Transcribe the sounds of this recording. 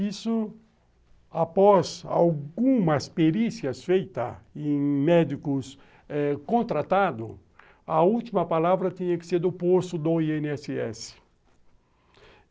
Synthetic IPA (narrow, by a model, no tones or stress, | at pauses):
isʊ | apɔza̰wɡũmɐspeɾisjɐsfejt̪ɐ̰ẽj̃mɛd̪ikʊs | ɛkõnt̪ɾat̪ad̪ʊ̰ | ɐuwt̪imɐpalavɾɐt̪ĩɲɐkɪ̥sed̪ʊpost̪ʊd̪oienɛsɪɛ̰sɪ̥